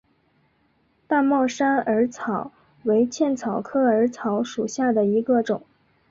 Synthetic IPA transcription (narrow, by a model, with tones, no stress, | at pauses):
t̪a˥˧mɑ˥˩ʊʂa˥nə˞˧˥t͡sʰɑ˨˩˦ʊ | we˧˥ɪt͡ɕʰjɛ˥˩nt͡sʰɑ˨˩ʊkʰɤ˥ə˞˧˥t͡sʰɑ˧˥ʊʂu˨˩ɕja˥˩d̪ə˩i˧˥ɡə˧ʈ͡ʂʊ̰˨˩˦ŋ